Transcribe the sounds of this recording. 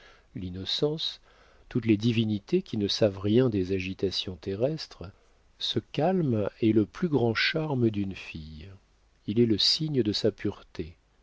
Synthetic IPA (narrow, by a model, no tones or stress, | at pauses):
linɔsɑ̃s | t̪ut̪led̪ivinit̪ekʲinəsavʁjɛ̃d̪ezaʒit̪asjɔ̃t̪eʁɛst̪χ | səkʲalmɛləplyɡʁɑ̃ʃaʁməd̪ynfij | ilɛləsiɲəd̪əsapyʁt̪e